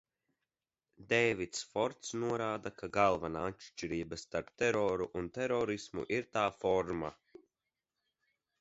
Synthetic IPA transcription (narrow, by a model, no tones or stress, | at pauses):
d̪ɛjvit̪sfɔɾt̪snuɔɾaːd̪akʰaɡalˠvanaːat̪ʃt͡ʃiɾiːbast̪aɾpt̪ɛɾɔːɾuʔunt̪ɛɾɔɾismṵʔiɾt̪aːfɔɾma̰